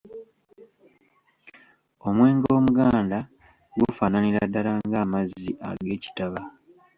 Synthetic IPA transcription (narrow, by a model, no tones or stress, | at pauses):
o̞mwe̞ːŋɡo̞ːmuɡaːnda | ɡufaːnaniɾadːalaŋɡaːmazːiʔa̰ɡe̞ːci̥taβa